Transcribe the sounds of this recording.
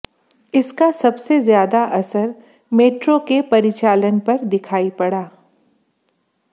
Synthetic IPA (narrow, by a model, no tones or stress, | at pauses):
ɪskasɐbsezjaːd̪aʔɐsəɾ | meːʈɾokepɐɾɪt͡ʃaːlənpɐɾd̪ɪkʰaːipɐɽaː